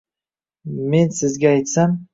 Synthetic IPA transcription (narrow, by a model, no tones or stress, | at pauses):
me̞nsɪzɡʲaːjt̪sam